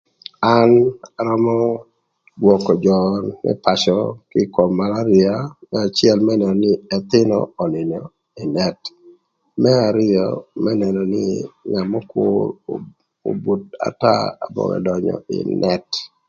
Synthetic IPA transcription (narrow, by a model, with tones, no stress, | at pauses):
anaɾɔ˦mɔ˦ | dwɔ˨kɔ˨d͡ʒɔnmɛ̰˦pa˨ʃɔkɪ˦kɔ˨mːa˨la˦ɾɪamɛa˨t͡ʃɪ˦ɛ˦lmɛnɛ˨nɔ˨nɪ˦ɛ˨t̪ɪ˦nɔ̰ɔ˨nɪ˨nɔ | ɪ˨nɛt | mɛ˦a˨ɾɪɔ̰mɛ˦nɛ˨nɔ˨nɪ˦ɲa˨mɔ˦kʊ̰ɾ | o̰˨bu˨t̚a̰˨ta̰˦a˨bɔ̰˨ŋɛ̰˨dɔ˨ɲɔ̰ɪ̰˨nʔɛ˦t